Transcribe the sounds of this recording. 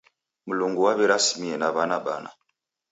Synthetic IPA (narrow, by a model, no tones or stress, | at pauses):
muluŋɡuwaβɛɾasi̥miɛnaβanaɓana̰